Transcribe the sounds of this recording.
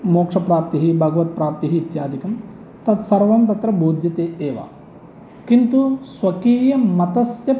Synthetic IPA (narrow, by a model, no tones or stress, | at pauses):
moːkʂɐpɾaːp̚t̪iɦibʱɐɡɐʋɐt̪̚pɾaːp̚t̪iɦiːt̪jaːd̪ʱikɐm | t̪ɐt̪sɐɾʋɐmt̪ɐt̪ɾɐbʱuːd̪ʱjɐt̪eːeːʋa̰ | kint̪usʋɐkiːjɐmɐt̪ɐsjɐ